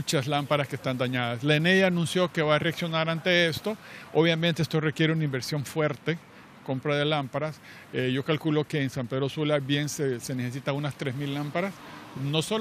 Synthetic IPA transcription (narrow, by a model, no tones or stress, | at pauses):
t͡ʃaslampaɾaskest̪and̪aɲaðaslenejanũnsjo̞ke̞βaːreaksjo̞naɾant̪e̞est̪o̞oβjamẽnt̪eest̪o̞rekje̞ɾeunaimbe̞ɾsjo̞ɱfwe̞ɾt̪e̞ | ko̞mpɾaðe̞lampaɾas | eʝo̞kalkulo̞keːnsampe̞ðɾo̞sulabje̞nsese̞neses̬it̪aunast̪ɾe̞zmilːampaɾasno̞so